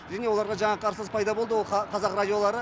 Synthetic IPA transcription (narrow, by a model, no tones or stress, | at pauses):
ʒæne̞oɑɾʁɑʒɑɴɑqʰɑɾsəzpʰɑjd̪ɑbo̞lˠd̪əwo̞lˠɑqʰɑzɑqradʲijo̞lˠɑɾə